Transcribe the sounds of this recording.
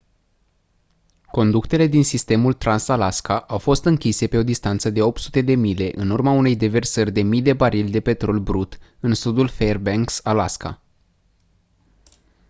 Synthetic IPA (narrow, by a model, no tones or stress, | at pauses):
ko̞nd̪ukt̪e̞le̞d̪insist̪e̞mult̪ɾansalaskaʔawfo̞st̪ɨŋkʲise̞pe̞o̞d̪ist̪ant̪səd̪e̞o̞p̚t̪sut̪e̞d̪e̞mile̞ʔɨnurmaune̞jd̪e̞ve̞rsərʲd̪e̞mid̪e̞baɾilʲd̪e̞pe̞t̪ɾo̞lʲbɾut̪ɨnsud̪ulferbeŋksalaska̰